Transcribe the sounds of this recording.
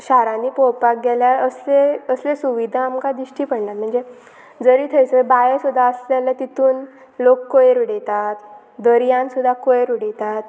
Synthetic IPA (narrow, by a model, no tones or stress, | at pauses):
ɕaɾãniːpopak̚ɡɛljaəsleəslesuʋid̪ʱaːmkad̪iɕʈiːpəɽnat̪̚m̤əɳd͡ze | d͡zəɾiːt̪ʰəjt͡səbajesud̪ʱːaəslelat̪it̪ʰuːn | lokːojeɾuɽet̪at̪ | d̪əɾjãnsud̪ʱːakojeɾuɽet̪at̪̚